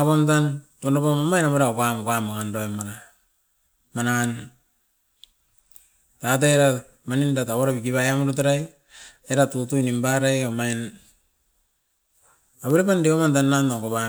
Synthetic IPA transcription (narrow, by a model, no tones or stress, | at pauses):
apomtantonapomomajnaβeɾaokamkamakandoemaɾa | manan | tat̬aeɾa | manindataβoɾapikiβajamɾutaɾaj | eɾatutuinimbaɾajomain | aβeɾepandeomant̬anːantakoβa